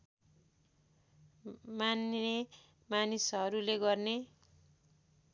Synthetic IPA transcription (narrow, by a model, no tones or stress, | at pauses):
mane | manisɦʌɾuleɡʌrne